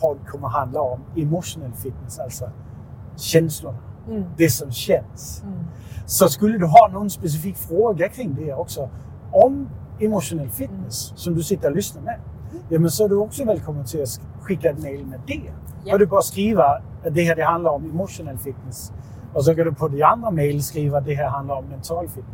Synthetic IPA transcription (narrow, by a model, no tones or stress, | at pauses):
pʰɔd̪̚kʰɔməɦand̪lɐɔmemʊɕʊnɛlfid̪̚nəsalsɔ | ɕɛnslʊnəd̪̥esɔmɕɛnsː | ɔ̽skʉlːəd̪uɦɑːnoːn̩spes̬ifikːfʁoːɡɐkʰʁɪŋːd̪ehæɐɔɡ̥sɔ | ʔɔm | emʊɕʊnɛlfid̪nəsːɒ̽md̥usid̥ɐlysnɐme | jæmənsɒ̽æɐduɔ̽ɡ̥sɔʋelkʰɒ̽mð̩ˠt͡sʰe̝læ | kʰiɡ̥æd̥meɪlmed̥eædubɒsɡ̥ʁiːʋɐ | æd̥e̝hæɐd̥e̝ɦɑnd̥lɐɒ̽memo̝ɕo̝nɛl̰fid̥nes | ɒ̽s̬ɒ̽kæɾupʰɒ̽diɑ̈nd̥ʁɐmeɪlsɡ̥ʁiːʋɐd̥eɦæɐ̰ɦænd̥lɐɒ̽mːent͡sʰɑ̰ːlfid̥̚n